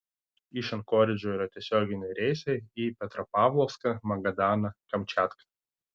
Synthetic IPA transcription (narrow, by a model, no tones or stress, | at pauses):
iˑʃʲɛnkoːɾʲɪd͡ʒʲoːiːɾɐt̪ʲiɛsʲoːɡʲɪnʲɛɪɾʲɛɪsɐɪipʲɛt̪ɾɐpɑːʋlˠɔfskɐmɐɡɐd̪ɑːnɐkɐmʲt͡ʃʲæːt̪kɐ̥